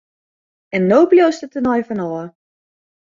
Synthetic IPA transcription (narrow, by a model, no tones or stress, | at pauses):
ɛnːoːpljostətənɔjfɔnɔə